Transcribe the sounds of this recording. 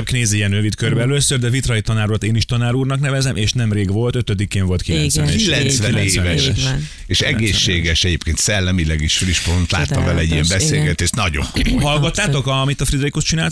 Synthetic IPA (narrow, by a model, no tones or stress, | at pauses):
p̚kneːzijɛnrøvit̪kørbɛɛløːsːørd̪ɛvit̪rɒit̪ɒnaːɾot̪eːniʃt̪ɒnaːɾuːrnɒknɛvɛzɛmʔeːʃnɛmreːɡʋo̞lt̪øt̪ød̪ikːeːɱvo̞lt̪kilɛnsɛneːilːɛnsʋɛnleːɛvɛeɛʃ | eːʃɛɡeːʃːeːɡɛʃɛɟeːpkeːnt̪sɛlːɛmilɛɡiʃfriʃpont̪la̰ːt̪ːɒvɛlɛɟːiɛmbɛseːlɡɛt̪eːʃt̪nɒɟo̰ŋkhɒlɡɒt̪ːaːokɒmit̪ɒfrid̪ɾikost͡ʃinaːl